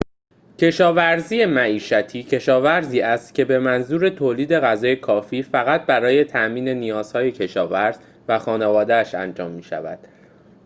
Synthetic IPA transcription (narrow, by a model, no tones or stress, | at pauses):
cʰe̞ʃɒːvæɾziːje̞mæiːʃæt̪ʰiːcʰe̞ʃɒːvæɾziːæst̪cʰe̞be̞mænzuːɾe̞t̪ʰoːliːd̪e̞ɣæzɒːje̞kʰɒːfiːfæɣæt̪̚bæɾɒːje̞t̪ʰæʔmiːne̞nijɒːz̥hɒːje̞cʰe̞ʃɒːvæɾz̥ | væxɒːnevɒːd̪eæʃænd͡ʒɒːmːiːʃæ̰væ̰d̪̥